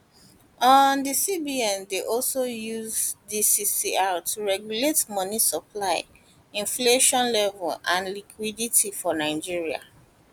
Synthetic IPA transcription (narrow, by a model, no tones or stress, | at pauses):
ɔndisibiɛ̃ndeʔɔlsojuzdisisiatʰuɹɛɡjuletmɔnisɔpʰlaɪ | ĩnfleʃɔ̃nlɛvɛlãnlikʰwiditʰifɔnaɪd͡ʒiɹia̰